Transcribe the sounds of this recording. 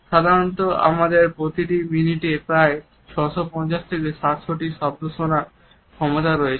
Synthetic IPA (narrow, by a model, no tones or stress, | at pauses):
ʃad̪ʱaɾont̪oa̰mad̪eɾpɾot̪iʈiminiʈepɾae | t͡ɕʰɔʃopɔnt͡ɕaʃt̪ʰekeʃat̪ʃʰoʈiʃab̚d̪ʱoʃonaɾ | kʰɔmot̪aɾɔjet͡ɕʰ